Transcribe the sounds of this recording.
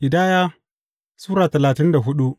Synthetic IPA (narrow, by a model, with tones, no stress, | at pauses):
ʔɪ˨daː˦jaː˦ | suː˦ɾaː˨tɐ˨laː˨tɪ˦nda˨ɦʊ˦ɗu˦ʔ